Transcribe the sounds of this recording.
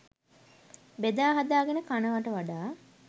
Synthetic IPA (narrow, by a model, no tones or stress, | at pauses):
bed̪aːɦad̪aːɡenəkanəʋaʈəʋaɖaː